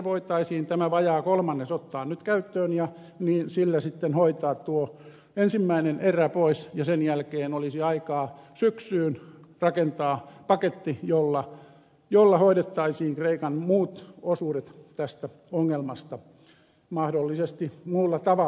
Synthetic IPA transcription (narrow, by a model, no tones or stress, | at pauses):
ʋoit̪ɑisiːnt̪æmæʋɑjɑːkolmɑnːesot̪ːɑːnnyt̪kæyt̪ːøːnjɑ | niːnsilːæsit̪ːenhoit̪ɑːt̪uo | ensimːæineneræpoisjɑsenjælkeːnolisiɑikɑːsyksyːnrɑkent̪ɑːpɑket̪ːijolːɑ | jolːɑhoiɾet̪ːɑisiːŋkreikɑnmuːt̪osuːɾet̪t̪æst̪æ | oŋːelmɑst̪ɑ | mɑhdolːisest̪imuːlːɑt̪ɑʋɑ